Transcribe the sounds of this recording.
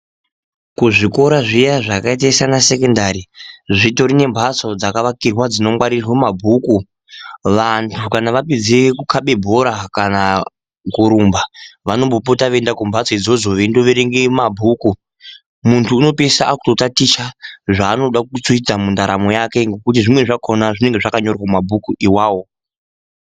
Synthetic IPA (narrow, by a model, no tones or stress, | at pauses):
kuʐiko̞ɾaʐijaʐakait̬aisanasekendaɾiʐito̞ɾine̞mbʱat͡so̞d͡zakaʋakirwad͡zino̞mwaɾirwemabʱuku | ʋantʰukanaʋaped͡zekukʰaɓe̞bʱo̞ɾakana | kuɾumbaʋano̞mbo̞p̬o̞taʋe̞ndakumbʱasoid͡zo̞zo̞ʋendoʋeɾeŋɡemabʱuku | muntʰuːno̞pesaʔaku̥to̞tatiʃaʐaːno̞ɗak̚ut͡swuid͡zamundaɾamo̞jake̞ŋɡe̞kutiʐimwe̞ʐakʰo̞naʐine̞ŋɡe̞ʐakaɲo̞rwamabʱukuʔiwaːwo̞